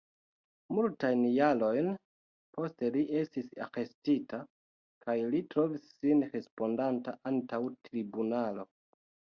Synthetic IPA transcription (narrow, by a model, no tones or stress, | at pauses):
multajnjalo̞jn | po̞ste̞liʔe̞stisa̰xe̞stita | kʰajlitɾo̞visːinɾe̞spo̞ndantaʔantawtɾibunalo̞